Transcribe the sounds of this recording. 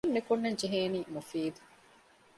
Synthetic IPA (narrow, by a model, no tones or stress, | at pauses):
nːekunːeɲd͡ʒeɦeːniːmufiːd̪u̥